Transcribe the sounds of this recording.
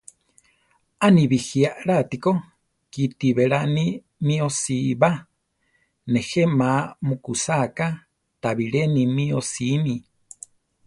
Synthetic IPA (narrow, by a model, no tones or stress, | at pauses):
aniβixiaʔɺat̪iko | kit̪iβeɺani | mĩosiβa | nexemamukusaka | t̪aβiɺenimĩosimi